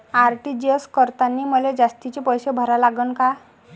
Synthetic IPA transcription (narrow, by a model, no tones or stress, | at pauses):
aɾʈid͡ʑəskəɾt̪anːiːməled͡zast̪it͡ɕepəjsebʱəɾalaɡənka